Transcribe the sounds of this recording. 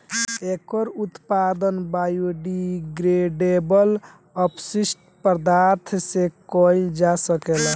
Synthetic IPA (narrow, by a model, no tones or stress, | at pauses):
ekəɾut̪pad̪ənbajuɖiɡɾeɖebəl | əpsisʈ | pəɾd̪aɾt̪ʰsekɔld͡ʒasəkel